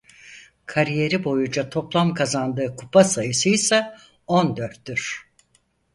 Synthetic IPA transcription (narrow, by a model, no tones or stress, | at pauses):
kʰaɾije̞ɾibo̞jund͡ʒat̪ʰo̞plˠamkʰazand̪ɯːkʰupʰasajɯsɯjisɛ | o̞nd̪øɾt̪ːyɾ̥